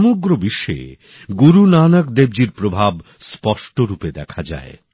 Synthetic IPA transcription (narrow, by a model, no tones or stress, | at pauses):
moɡɾobiʃːḛ | ɡuɾunanakd̪ebd͡ʑiɾpɾobʱab | spɔʃʈoɾuped̪ɛkʰad͡ʑa̰e